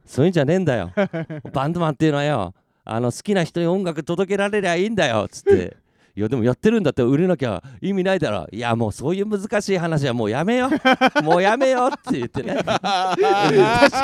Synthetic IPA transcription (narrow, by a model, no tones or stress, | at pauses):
soːjɯ̟ɲd͡ʑanẽ̞nd̪ajo̰bãnd̪omãnt̪ːeiɯ̟noβajo̰ | a̰no̞sɨ̥kʲinaçi̥t̪o̞ɲ̟iõ̞ŋɡakɯ̟t̪o̞d̪o̞ke̞ɾaɾe̞ɾebaiːnd̪ajo̞̰t͡sɨ̥t̪ːe̞̰ | ijod̪e̞mo̞jat̪ːeɾɯ̃nd̪at̪ːeɯ̟ɾenok̬ʲaβa̰imʲinaid̪aɾo̰ia̰mo̞ːso̞ːjɯ̟ːmɯ̟zɨkaɕiːɦanaɕ̬iβamo̞ːjame̞jo̞mo̞ːjame̞jot̪ːe̞jɯt̪ːe̞ne